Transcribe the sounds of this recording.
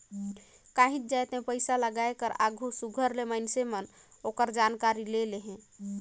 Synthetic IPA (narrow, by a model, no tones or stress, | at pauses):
kaɦĩt̪̚d͡ʒajt̪mepəɪsaləɡaekəɾa̰ɡʱusuɡʱəɾleməɪnsemən | okəɾd͡ʒankaɾileleɦɛ̃